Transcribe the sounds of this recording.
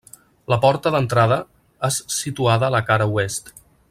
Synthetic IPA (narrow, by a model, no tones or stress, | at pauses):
ləpɔɾt̪əðənt̪ɾað̞ə | essit̪uaðəːləkaɾəuest̪